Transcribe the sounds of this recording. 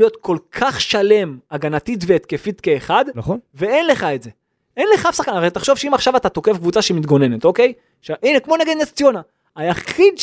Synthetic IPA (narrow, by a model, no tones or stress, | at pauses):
jo̞t̪kʰo̞lkʰaχʃale̞maɡanat̪it̬veːt̪kefit̪ke̞ːχadnaχonve̞enle̞χaetze̞ | enleχafsaχkanaʁejt̪aχʃo̞vʃeimaχʃavatat̪o̞kefkvut͡saʃeimit̪ɡo̞ne̞net̪o̞ke̞j | ʃaʔinekmo̞neɡed̪nest͡sjona | ajaχid̪